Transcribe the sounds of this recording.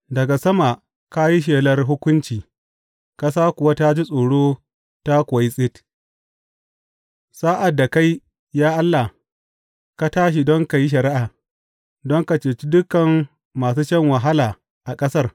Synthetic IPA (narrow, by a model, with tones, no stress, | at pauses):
dɐ˨ɡa˨sɐ˦ma˨ | ka˦ji˦ʃ̬eː˨lɐ˦rɦʊ˦kʷʊ˦nt͡ʃiː˨ | ka˦s̬aː˦kʊ˨wa˦ta˦d͡ʒi˦sʼoː˨ɽoː˦ | ta˦kʷːi˦sʼɪ˦t | sa˦ʔa˨dːa˨ka˦j | jaː˦ʔa˦lːa˨ | ka˦taː˦ʃ̬i˨dɔ˦ŋka˨ji˦ʃ̬ɐ˨ɾɪ˦ʔaː˨ | dɔ˦ŋka˨t͡ʃeː˨t͡ʃi˦dʊ˦kːɐ˨mː | aː˨s̬uː˦t͡ʃɛ˦ŋwɐ˨ɦa˦laː˨ | ʔa˨kʼɐ˦sɐ˦r